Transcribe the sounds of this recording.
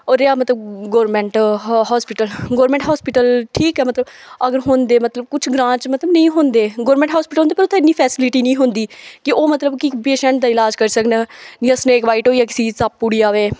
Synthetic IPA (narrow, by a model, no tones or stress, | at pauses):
oːɾeaːmət̪ləbɡoːɾmɛ̃ɳʈɦɔːspɪʈəlɡoːɾmɛ̃ɳʈɦaːspɪʈəlʈʰiːkɛːmət̪ləbəɡəɾɦoːnd̪eːmət̪ləb̚kʊt͡ʃʰɡɾãːt͡ʃmət̪ləbnəĩːɦõːnd̪eːɡoːɾmɛ̃ɳʈɦaːspɪʈəlɦõːd̪epəɾʊt̪ʰːẽɪnːiːpʰɛːsɪlɪʈiːnĩːɦʊ̃nd̪iːkɪʔoːmət̪ləbkɪpeːʃɛ̃ɳʈ̚d̪aːɪlaːd͡ʒkəɾsəknaːd͡ʒiəsnẽːkʋaːiːʈɦoːiaːkɪsiːsab̚pːʊɽiːaːʋeː